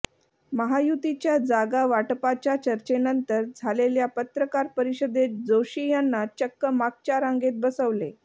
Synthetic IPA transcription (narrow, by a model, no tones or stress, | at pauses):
məɦajut̪it͡ɕjad͡zaɡaʋaʈpat͡ɕjat͡ɕəɾt͡ɕenənt̪əɾd͡zʱaleljapət̪ɾəkaɾpəɾiɕəd̪et̪̚d͡zoɕijanːat͡ɕəkːəmak̚t͡ɕaɾãŋɡet̪̚bəsəʋle